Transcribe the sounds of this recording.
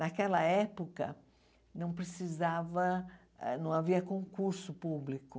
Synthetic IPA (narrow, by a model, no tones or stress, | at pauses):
nakɛlɐɛpokɐ̰ | nɐ̃w̃pɾesizavɐ̰ | nɐ̃w̃aviɐkõŋkuɾsʊpublikʊ